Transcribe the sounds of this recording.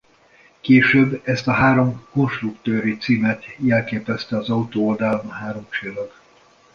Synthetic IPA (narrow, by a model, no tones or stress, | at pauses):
keːʃøːbːɛst̪ɒɦaːɾo̞mko̞nʃt̪rukt̪øːɾit̪siːmɛt̪jɛlkeːpɛst̪ɛɒzɒut̪oːold̪aːlonhaːɾo̞mt͡ʃeːlɒɡ